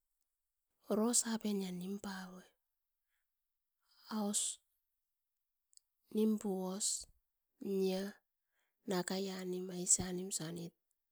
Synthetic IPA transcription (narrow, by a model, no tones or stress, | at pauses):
oɾosapenjanimpawe | aos | nimpuos | ɲa | nakajanimaisanimsanit̚